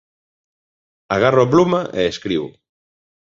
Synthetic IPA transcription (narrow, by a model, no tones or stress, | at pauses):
aɣaroaplumaʔeeskɾiβʊ̰